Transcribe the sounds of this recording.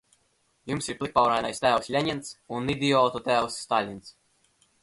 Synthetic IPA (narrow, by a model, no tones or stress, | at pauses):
jumsiɾplˠik̚pawɾajnajst̪æːwsʲlʲɛɲɛnt̪sunːid̪ʲiɔːt̪ɔt̪æːwsːt̪alʲins